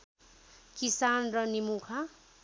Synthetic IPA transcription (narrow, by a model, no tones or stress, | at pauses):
kisanrʌnimukʰa